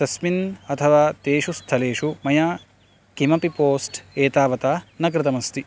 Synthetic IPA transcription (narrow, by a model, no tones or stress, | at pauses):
t̪ɐsminɐt̪ʰɐʋaːt̪eːʃust̪ʰɐleːʂumɐjaː | kimɐpipoːsʈeːt̪aːʋɐt̪aːnɐk̬ɾɪt̪ɐmɐst̪i